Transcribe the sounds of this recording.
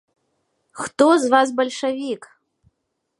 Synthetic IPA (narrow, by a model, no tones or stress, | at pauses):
xt̪ozvas̬bɐlʲʂɐvʲik